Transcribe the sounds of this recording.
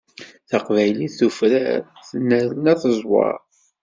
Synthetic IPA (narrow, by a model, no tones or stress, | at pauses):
θɑqvæjliθufɾæ̰θnːəɾənæθəzˤwɑ̰ɾ